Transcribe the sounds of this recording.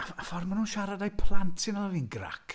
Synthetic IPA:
aafɔrmanuːnʃaɾadajpʰlˠantʰsɪnɔlˠavinɡra̰kʰ

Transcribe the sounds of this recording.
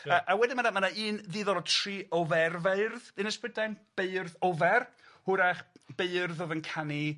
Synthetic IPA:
aʔawɛdɪnmanamanaiːnðɪːðɔɾɔtʰriːʔɔvɛrvaɨrðɨnəsprɪdajnb̥eɨrðɔvɛr | hʊɾaχb̥eɨrðɔðənkʰani

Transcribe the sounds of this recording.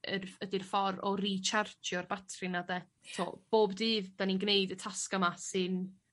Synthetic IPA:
ərədirfɔɾɔrit͡ʃʰart͡ʃʰjɔrbatʰrɪnadɛ | tʰo̰ːb̥oːbdɨːvd̥aninɡnejdətʰaskamasɨn

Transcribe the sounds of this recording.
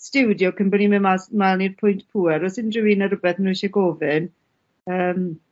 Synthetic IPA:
stɪwdjɔkʰəmbənimɪmasmalˠnirpʰʊjntpʰuɛɾɔsɪndrɪwinəɾʊbɛθnuʃɛɡɔːvɪn | əːm

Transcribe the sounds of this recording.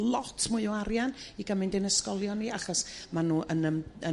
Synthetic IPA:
lˠɔtʰmʊɨɔaɾjaniɡəmɪndɪnəskɔlˠjɔniaχɔsmanuːʔənəmə

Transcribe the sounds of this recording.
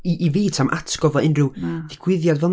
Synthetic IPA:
iʔiviːtʰamʔa̰tʰɡ̥ɔvɔɪnrɨwðɪɡ̥wɪðjadvɛlˠ

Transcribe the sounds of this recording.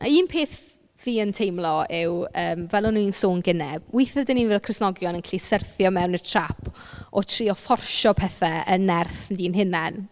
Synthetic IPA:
ʔaiːnpʰeːθ | viːəntʰejmlˠɔɪwəːmvɛlˠʊnuinsoːnɡɪnɛb̥̚wɪjθɛdəninvɛːlˠkʰrɪsnɔɡjɔnənkʰlisərθjɔmɛwnətʰr̥apʰ | ɔtʰriːɔfɔrʃɔpʰɛθaənɛrθndiːnɦɪnan

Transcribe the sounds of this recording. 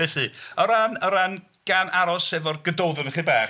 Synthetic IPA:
eθɨəɾanəɾan | ɡ̥anʔaɾɔsɛvɔrɡ̥ədɔwðənəχibaː

